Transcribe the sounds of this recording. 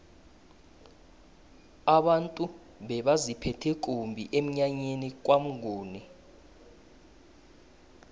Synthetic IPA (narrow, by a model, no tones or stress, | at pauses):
aɓantʼu | ɓɛɓazipʰɛtʰɛk̬ʼombʱḭʔem̩ɲaɲenik̬ʼwam̩ɡʱoːni